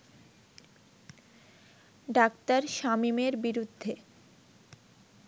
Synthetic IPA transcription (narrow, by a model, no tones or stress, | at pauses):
ɖakt̪aɾʃamimeɾbiɾud̪ʱːe